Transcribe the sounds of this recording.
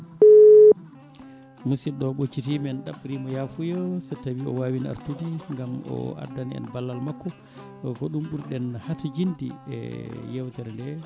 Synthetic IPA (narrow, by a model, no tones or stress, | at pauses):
musiɗɔɓot͡ʃːitimɛnɗaɓːɾimɔjafujɔsɛtːawiɔwaːwina̰ɾtudiŋɡamɔ̰a̰daniɛ̰nbalːalmakːɔ | kɔɗumɓuɾɗɛnhatud͡ʒindḭɛ̰jɛwtɛɾndɛ